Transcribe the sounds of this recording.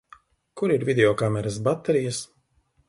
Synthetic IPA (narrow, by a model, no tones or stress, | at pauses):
kuɾiɾvʲid̪ʲeɔkamɛɾas̬bat̪ːɛɾijas